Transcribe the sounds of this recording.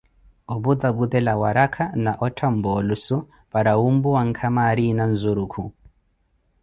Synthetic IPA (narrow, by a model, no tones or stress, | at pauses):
ɔbuðabuðɛlawaɾakʰanaʔɔtʰambɔlusu | paɾaumbuwaŋkʰamaɾinanzuɾukʰu